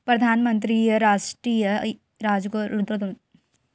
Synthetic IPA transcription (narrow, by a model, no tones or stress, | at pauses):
pɾɐd̪ʱaːnɐmɐnt̪̬ɾiːjɐɾaːʂʈɾiːjɐ | ɾaːd͡ʒuɡoːɾud̪ɾɐd̪u